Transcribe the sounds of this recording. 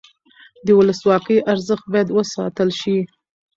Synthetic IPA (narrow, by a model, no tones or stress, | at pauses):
d̪əwʊləswɑkəjʔaɾzəxt̪̚bɑjad̪wəsɑ̰t̪əlʃi